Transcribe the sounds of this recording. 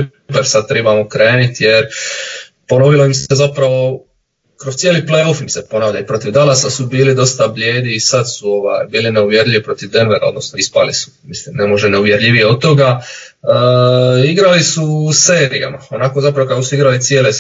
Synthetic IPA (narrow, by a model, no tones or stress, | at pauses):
peɾsad̪̚t̪ɾebamokɾe̞ːnit̪jeɾ | po̞no̞ʋilo̞imsezapɾaʋo̞ | kɾost̪ʲjeːliplejo̞fimsepo̞naːʋʎaipɾo̞t̪iʋd̪alasasubiːlid̪o̞st̪ablʎʲeːd̪iːsad̪suo̞ʋa̰jbiːline̞uʋje̞ɾʎiʋipɾo̞t̪iʋd̪e̞nʋe̞ɾa̰o̞d̪no̞snoispa̰lisu̥mislimne̞mo̞ʒeneuʋje̞ɾʎiʋijeod̪̚t̪ːo̞ɡa | iɡɾalisuse̞ːɾija̰mao̞nako̞zapɾaʋokakosuiɡɾalit̪sjeːle